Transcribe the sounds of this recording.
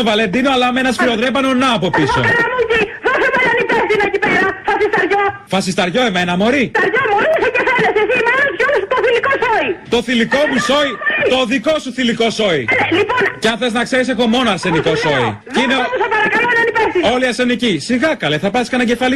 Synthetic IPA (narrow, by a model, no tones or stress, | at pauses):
ovɐle̞nd̪inoɐlɐmenɐsfɾio̞ðɾepɐnonɐːpo̞piso̰nɐmuciðosomenɐnipest̪inɐecipeɾɐfɐsist̪ɐɾʝofɐsist̪ɐɾʝo̞emenɐmo̞ɾit̪ɐɾʝomoɾisɐcefelesesimenɐspjonst̪oθilikosoit̪o̞θiliko̞muso̞it̪o̞ðikosuθiliko̞so̞ieliponceɐnθeznɐkse̞ɾis̬e̞xo̞mo̞noɐɾse̞niko̞so̞ḭceineusɐpɐɾɐkɐloenɐnipest̪io̞liɐɾse̞nicisiɣɐkɐleθɐpɐsiskɐnɐɟe̞fɐli